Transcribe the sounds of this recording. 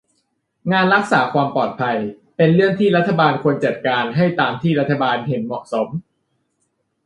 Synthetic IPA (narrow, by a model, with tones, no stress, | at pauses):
ŋaː˧nɾa˦˥k̚saː˩˦kʰwaː˧mpɔː˨˩t̪̚pʰa˧j | pe˧nɾɯ˥˩əŋt̪ʰiː˥˩ɾa˦˥t̪ʰːa˧baː˧nkʰu˧ənt͡ɕa˨˩t̪̚kaː˧nɦa˥˩jt̪aː˧mt̪ʰiː˥˩ɾa˦˥t̪ʰːa˧baː˧nɦe˩˦nmɔ̰˨˩ʔso˩˦m